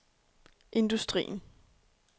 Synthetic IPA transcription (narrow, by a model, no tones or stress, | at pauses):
ʔe̝nd̥usd̥ʁḭːn̩